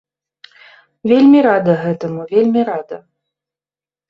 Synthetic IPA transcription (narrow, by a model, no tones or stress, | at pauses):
vʲelʲmʲiɾad̪ɐɣɛt̪ɐmuvʲelʲmʲiɾad̪ɐ